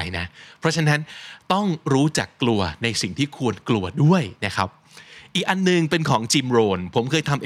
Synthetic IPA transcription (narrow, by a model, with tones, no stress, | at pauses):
jna̰˦˥ʔpʰɾɔ˦˥t͡ɕʰa˧˥na˦˥nt̪ɔ˥˩ŋɾuː˦˥t͡ɕa̰˨˩kːlu˧ɐna˧jsi˨˩ŋt̪ʰiː˥˩kʰu˧ənklu˧ɐdu˥˩əjna˦˥kʰa˦˥p̚ | ʔiː˨˩k̚ʔa˧nːɯ˨˩ŋpe˧nkʰɔː˩˦ŋt͡ɕi˧mɾoː˧npʰo˩˦mkʰɤː˧jt̪ʰa˧mʔ